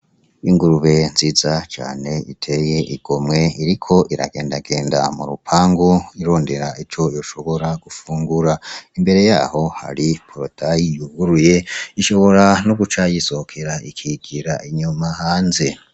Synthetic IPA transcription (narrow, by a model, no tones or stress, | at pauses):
iŋɡuɾuβe̞nzizat͡ʃa̰ːne̞itʰe̞je̞ʔiɡ̥o̞mŋe̞iɾikʰo̞ʔiɾa̰ɡe̞ːndaɡe̞ːnda̰muɾupʰaːŋɡoiɾo̞ːnde̞ɾaʔit͡ʃo̞jo̞ʃo̞βo̞ɾaɡ̥ufuːŋɡuɾaimbe̞ɾe̞ja̰ːho̞ha̰ɾipʰoɾodajijuɡɡuɾuje̞iʃo̞βo̞ɾanoɡut͡ʃajiso̞hokʰe̞ɾaikʰiɡ̥iɾaʔiɲumahaːnze̞